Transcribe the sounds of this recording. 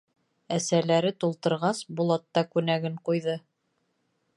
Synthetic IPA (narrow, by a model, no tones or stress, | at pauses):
æsælæɾɘt̪ulˠt̪ɤ̆ɾʁɑsbulˠɑt̪ːɑkʉnæɡɘɴqujðɤ